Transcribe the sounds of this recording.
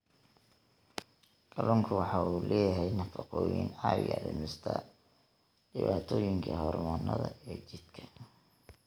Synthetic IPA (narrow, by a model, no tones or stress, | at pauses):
ɡ̥ɐlɔːŋkʰʊwɑħɑuːlɛːjɐɦɛjnɐfɑqɔːjḭːnɑɐdɪ̰mɪst̪ʰɐ̰ | ɖ̥ɪβaːt̪ʰɔːjɪŋkʰɐhɔrmɔːnːɐðɐɛːt͡ʃɪd̪kʰɐ̥